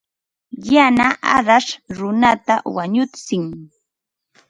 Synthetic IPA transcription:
janaʔaɾaʃɾʊnat̪awaɲʊt͡sɪŋ

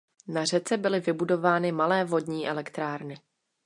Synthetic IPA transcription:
nar̝ɛt͡sɛbɪlɪvɪbudo̞vaːnɪmalɛːvo̞dɲiːʔɛlɛkt̪ɾaːɾnɪ

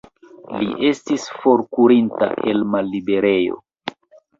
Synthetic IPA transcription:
lḭʔe̞stisfo̞ɾkuɾinta̰ʔe̞lmalːibe̞ɾe̞jo̞̰

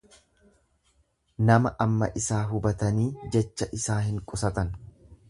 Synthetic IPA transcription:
nɐmɐʔɐmːɐ̰ʔɪsaːɦʊbɐt̪ɐniːd͡ʒɛt͡ʃːɐʔɪsaːɦɪŋkʼʊsɐt̪ɐn

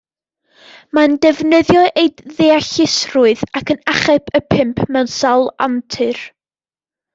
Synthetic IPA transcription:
mandɛvnəðjɔʔejdðeaɬɪsrʊɨðakʰənaχɛpʰəpʰɪmpʰmɛwnsawlˠa̰ntʰɨr

